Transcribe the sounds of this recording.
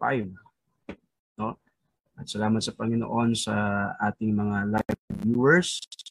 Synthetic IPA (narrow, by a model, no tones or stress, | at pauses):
pa̰jn | no̞ | ʔɐt̪sɐlaːmɐt̪sɐpɐŋɪno̰ʔo̞nsɐʔaːt̪ɪŋmɐŋalajbɛvjuːwɛɹs